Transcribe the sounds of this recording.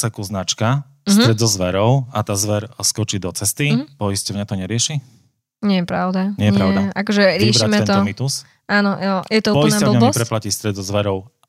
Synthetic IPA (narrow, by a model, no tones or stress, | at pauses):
sɛkuznat͡ʃka | sɾɛd̪zɔzʋɛɾɔʊat̪aːzʋɛɾskɔt͡ʃiːd̪ɔt͡sɛst̪ipɔiscɔʊɲat̪ɔɲɛɾɪɛʃi | ɲɪɛjɛpɾaʊd̪aɲɛjɛpɾaʊd̪aʔakɔʒɛɾɪiɛbʃɾiamɛɛnt̪ɔɔmit̪us | aːnɔjɛt̪ɔupɔjisnaɔblɲɛbɔɛspɾɛplaciːst̪ɾɛd̪zɔzʋɛɾɔʊ